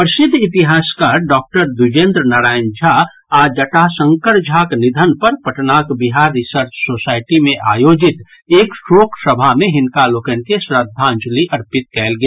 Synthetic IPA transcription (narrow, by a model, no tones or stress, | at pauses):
pɾəsɪd̪ʱːɪt̪iɦaːskaɾɖɔːk̚ʈəɾd̪ud͡ʒẽːnd̪ɾənaɾaːɪnd͡ʒʱa | ad͡ʒəʈasə̃ŋkəɾd͡ʒʱaknid̪ʱənpəɾpəʈnakbiɦaɾːɪsəɾt͡ʃsoːsaːɪʈimẽʔa̰ːjoːd͡ʒɪt̪ | eːksoːksəbʱamẽɦɪnkalokənkesɾəd̪ʱːãnd͡ʒliʔɐɾpɪt̪̚kɛːlɡe